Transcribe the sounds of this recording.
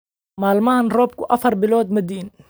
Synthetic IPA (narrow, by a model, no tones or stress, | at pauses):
malmaːnɾoːb̚kuʔafɑɾˤbɪloːd̪mad̪iːn